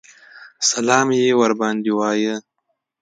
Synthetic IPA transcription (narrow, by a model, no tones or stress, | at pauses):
salɑːmjewaɾbɑːnd̪iwɑːjə